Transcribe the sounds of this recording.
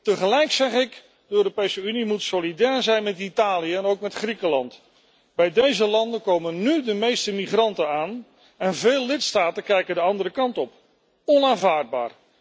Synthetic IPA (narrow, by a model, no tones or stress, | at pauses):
təχəlɛjksɛχɪk | dəøːropejsəynimutsolidɛːɹzɛjnmɛtitaːlijəɛnowkmɛtχrikəlɑnt | bɛjdejzəlɑndəkowmənːydəmejstəmiχrɑntənaːn | ɛnveːlˠːɪtstaːtəkɛjkəndəɑndərəkɑntɔp | ɔnaːnvaːɹd̚ba̰ːɹ